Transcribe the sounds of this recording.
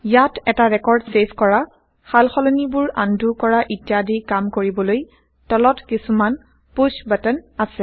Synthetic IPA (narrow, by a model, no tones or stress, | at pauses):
jatɛtaɹɛkɔɹdsepʰkɔɹa | xalxɔlɔnibʊɹa̰ndʱukɔɹaʔitjadikamkoɹibɔloj | tɔlɔtkisuman | put͡ʃbatɛnasɛ